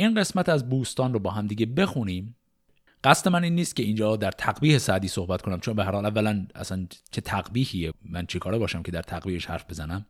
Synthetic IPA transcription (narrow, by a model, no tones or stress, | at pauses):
ʔiːnɢe̞smæt̪ʰæzbuːst̪ɒːnrobɒːɦæmd̪iːɟebe̞xuniːm | ɢ̥æst̪e̞mæniːnːiːst̪kcʰe̞iːnd͡ʒɒːd̪æɾt̪ʰæɡbiːhesæʔd̪iːso̞hbæt̪̚konæmt͡ʃʰonbeɦæɾhɒlævːælænæ̰sænt͡ʃʰe̞t̪ʰæɡbiːhiːemænt͡ʃʰekʰɒːɾebɒːʃæmcʰe̞d̪æɾt̪ʰæɣbiːheʃhæ̰ɾfbe̞zænæm